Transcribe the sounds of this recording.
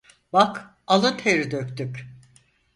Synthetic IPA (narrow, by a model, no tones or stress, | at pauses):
bak | alˠɯt̪ʰeɾid̪økʲt̪yk